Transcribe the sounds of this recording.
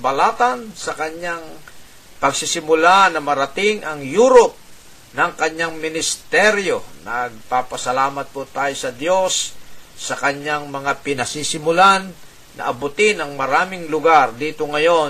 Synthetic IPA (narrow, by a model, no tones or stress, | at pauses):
bɐlaːt̪ansɐkɐɲaŋ | pɐɡsɪsɪmʊlanɐmɐɾɐt̪ɪŋʔɐŋjuːɾop̚ | nɐŋkɐɲaŋmɪnɪst̪ɛɾjonɐɡ̚papɐsɐlaːmɐt̪̚pot̪aːjosɐd̪jo̞sː | ɐkɐɲaŋmɐŋapɪnɐsisɪmʊlanː | ʔɐ̰ʔɐbʊt̪ɪnɐŋmɐɾaːmɪŋlʊɡaɾd̪iːt̪oŋɐjo̞